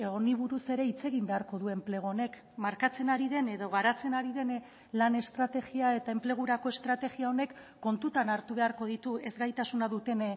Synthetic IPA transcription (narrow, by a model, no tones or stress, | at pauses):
e̞ɣoniβ̞uɾuse̞ɾe̞it͡se̞ɣimbe̞aɾko̞ðue̞mple̞ɣ̞oone̞k | maɾkat͡se̞naɾiðe̞ne̞ðo̞ɣaɾat͡se̞naɾiðe̞n | lane̞st̪ɾat̪eɣiae̞t̪ae̞mple̞ɣ̞uɾako̞e̞st̪ɾat̪e̞ɣiao̞ne̞kː | o̞nt̪ut̪anaɾt̪uβ̞e̞aɾko̞ðit̪ue̞zɡajt̪asunaðut̪e̞n